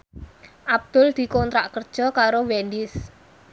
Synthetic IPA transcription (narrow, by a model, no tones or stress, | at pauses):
ʔab̚d̪̥ʊld̪̥i̤kɔnt̪ɾaʔkərd̥ʒ̥ɔ̤kaɾowɛndɪs